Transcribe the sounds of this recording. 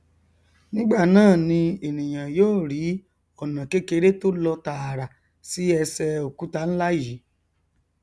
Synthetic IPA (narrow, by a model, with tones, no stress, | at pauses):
nĩ˦ɡ͡ba˦˨nãː˦˨nĩ˧e˨nĩ˨j̃ã˨joː˦˨ɾi˨˦ | ɔ˨nã˨ke˦ke˧ɾe˦to˦lɔ˧ta˧˨ɾa˨ | si˦ɛ˧sɛ˧o˨ku˨˦ta˧n̩˦la˦ji˨˦